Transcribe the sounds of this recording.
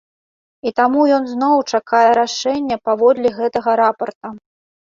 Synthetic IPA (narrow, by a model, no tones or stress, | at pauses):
it̪amujɔnznɔwt͡ʂakajɛɾaʂɛnʲːɐpavɔd̪lʲiɣɛt̪ɐɣɐɾapɐrt̪ɐ